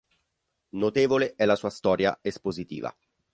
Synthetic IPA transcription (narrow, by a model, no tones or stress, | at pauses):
not̪eːvoleʔɛlasuːast̪ɔːɾja̰espozit̪ḭːva̰